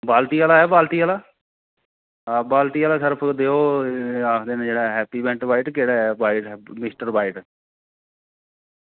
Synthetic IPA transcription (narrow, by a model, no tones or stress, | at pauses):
baːlt̪iːaːlaːɦɛːbaːlt̪iːaːlaː | baːlt̪iːaːlaːsɪɾəpʰd̪eːoːaːkʰd̪eːnẽːd͡ʒeːɽaːɦɛːpiːbɛ̃ːɳʈbaːɪʈkeːɽaːɦɛbaːɪʈɛmɪsʈəɾbaːɪʈ